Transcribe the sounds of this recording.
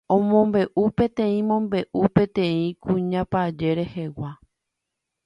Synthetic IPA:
õmõmbe̞ʔupẽ̞t̪ẽ̞ĩmõ̞mbe̞ʔupẽ̞t̪ẽ̞ĩkũɲãpad͡ʒe̞ɾe̞hewa

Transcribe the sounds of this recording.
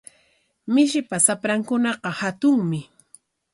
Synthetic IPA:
mɪʃɪpasapɾaŋkʊnɑqɑhat̪ʊŋmɪ

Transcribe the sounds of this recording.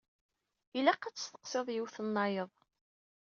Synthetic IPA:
ilæqːæt͡sːə̥st̪ə̥qseðˤjiwθənːɑjəðˤ

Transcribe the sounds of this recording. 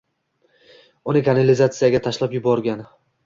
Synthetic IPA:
ʊnɪkʰanalɪzat̪sɨjaɡʲat̪ʰaʃlapjʊbɒɾɡʲan

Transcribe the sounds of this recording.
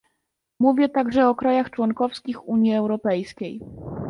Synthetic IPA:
muvʲjɛt̪aɡʐɛɔkɾajaxt͡ʂwɔŋkɔfskʲixuɲjiɛwɾɔpɛjskʲej

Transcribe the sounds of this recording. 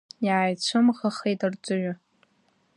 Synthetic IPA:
jaːjt͡ɕʷʰʊmʁaχejtʼard͡zʷʼʊɥʷʊ

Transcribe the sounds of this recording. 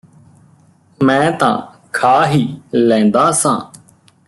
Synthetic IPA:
mɛ̃ːt̪ã̰ː | kʰaːɦiːlɛ̃ːnd̪aːsã̰ː

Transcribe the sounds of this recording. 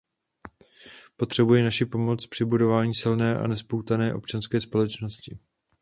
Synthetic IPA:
po̞t̪r̝̥ɛbujɪnaʃɪpo̞mo̞t͡spr̝̥ɪbudo̞vaːɲiːsɪlnɛːʔa̰nɛspowt̪anɛːʔo̞pt͡ʃanskɛːspo̞lɛt͡ʃno̞scɪ

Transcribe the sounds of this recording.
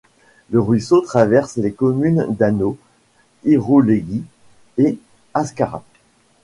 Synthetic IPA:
ləʁɥisot̪χavɛʁslekɔmynd̪ano | iʁoleɡi | e | askaʁa̰

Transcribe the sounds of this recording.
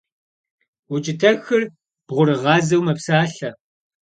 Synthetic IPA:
wʊt͡ʃʼɪtʰɐxɨr | b̥ʁʷʊɾɨʁɑːzɐwmɐpsaːɬɐ

